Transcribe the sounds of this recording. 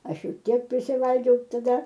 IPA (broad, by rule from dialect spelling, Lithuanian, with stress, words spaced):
ˈɐʃ ˈjɛʊ ˈtʲiɛk pʲrʲɪsʲɪˈʋɐlʲɡʲɛʊ tɐˈdɐ